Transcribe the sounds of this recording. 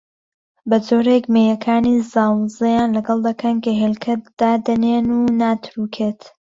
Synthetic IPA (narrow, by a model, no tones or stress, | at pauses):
bɐd͡zoːɾekmejɐkʰaːnizaːwzejaːnlɐɡɐlˠd̪ɐkʰɐnkɐɦelkʰɐtd̪̥aːd̪ɐneːnunaːt̪ʰɾukʰeːt̪